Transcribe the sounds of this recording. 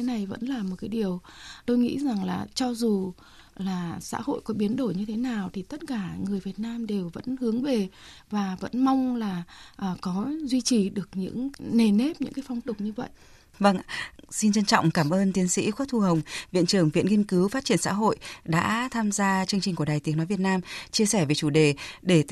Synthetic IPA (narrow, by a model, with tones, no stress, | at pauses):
e˨˦na˨˩jvə̰˧˥nlaː˨˩mo˨˩t̚kaː˨˦ɗi˨˩əwt̪o˧jŋḭ˧˥za˨˩ŋlaː˨˩t͡ɕɔ˧zu˨˩ | laː˨˩sa̰ː˧˥ho̰˧˨jkɔ˨˦ɓi˨˦ənɗo˧˩jɲɨ˧t̪ʰe˨˦naː˨˩wt̪ʰi˨˩t̪ə˦˥t̚kaː˧˩ŋɨ˨˩əjvi˨˩ət̚naː˧mɗe˨˩wvə̰˧˥nhɨ˨˦əŋve˨˩vaː˨˩və̰˧˥nma˧wŋ͡mlaː˨˩ʔəː˨˩kɔ˨˦zwi˧t͡ɕi˨˩ɗɨ˨˩ək̚ɲɨ̰˧˥ŋne˨˩ne˦˥p̚ɲɨ̰˧˥ŋkaː˨˦jfa˧wŋ͡mt̪ʊ˨˩k͡p̚ɲɨ˧və̰˧˨jʔ | və˧ŋsi˧nt͡ɕə˧nt͡ɕɔ̰˧˨wŋ͡mkaː˧˩mʔəː˧nt̪i˨˦ənsḭ˧˥xwt̪̚ʰu˧ɦə˨˩wŋ͡mvḭ˧˨ənt͡ɕɨ˧˩əŋvḭ˧˨ənŋi˧ənkɨ˨˦wfaː˦˥t̚t͡ɕi˧˩ənsa̰ː˧˥ɦo̰˧˨jɗa̰ː˧˥t̪ʰaː˧mzaː˧t͡ɕɨ˧əŋt͡ɕï˨˩ŋ̟ku˧˩əɗaː˨˩jt̪i˨˦əŋnɔ˨˦vət̚naː˧mt͡ɕi˧əsɛ˧˩ve˨˩t͡ɕu˧˩ɗe˨˩ɗe˧˩